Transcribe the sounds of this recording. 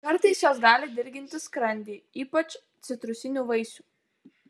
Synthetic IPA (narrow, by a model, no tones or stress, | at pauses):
kɐɾt̪ɐɪsjoːsɡɑːlʲɪd̪ʲɪɾʲɡʲɪnʲt̪ʲɪskɾɐnʲd̪ʲiːiːpɐt͡ʃ | t̪sʲɪt̪ɾʊsʲɪnʲuːʋɐɪsʲuː